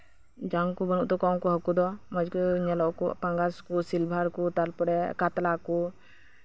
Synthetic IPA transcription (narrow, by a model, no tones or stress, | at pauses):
d͡ʒaŋkubənuʔt̪ɔkaw̃kɔɦəkud̪ɔmad͡ʒkuɲɛlɔʔkṵpaŋɡaskusilbʱaɾkut̪alpɔɽɛkat̪laku